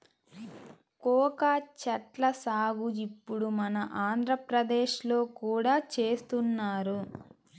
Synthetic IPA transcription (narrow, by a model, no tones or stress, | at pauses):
kɔːkat͡ʃɐʈlɐsaːɡuipːuɽumɐnɐʔaːnd̪ʱɾɐpɾɐd̪eːʃlo̞ːkuːɽaːt͡ʃe̞ːst̪unːaːɾu